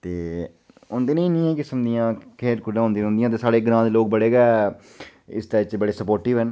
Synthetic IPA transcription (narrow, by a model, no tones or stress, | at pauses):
t̪eː | ʊnd̪eːnĩːnĩːɛ̃ːkɪsəmd̪ijãːkʰeːɾkʊɖãːʊ̃nd̪iːõnd̪ijãːt̪eːsaːɽeːɡɾãːd̪eːloːk̚bəɽeːɡɛː | ɪ̰st̪ɛːt͡ʃbəɽeːsəpoːɾʈɪːʋɦən